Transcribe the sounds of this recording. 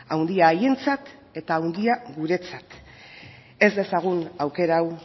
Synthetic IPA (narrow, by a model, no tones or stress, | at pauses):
awnd̪iaːje̞nt͡sat̪ | e̞t̪aːwnd̪iaɣuɾe̞t͡sat̪ | e̞zd̪e̞saɣ̞unawke̞ɾaw